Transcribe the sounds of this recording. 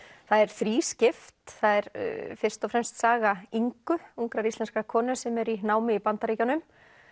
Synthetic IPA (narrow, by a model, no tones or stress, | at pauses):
θaðɛɾ̥θɾiːscɪft̪θaðɛɾ̥fɪr̥st̪ɔfɾɛmst̪saːɣaiŋkʏuŋkɾaɾist̪lɛnskakʰɔːnʏsɛmɛɾinaːwmɪipant̪aɾiːcanʏm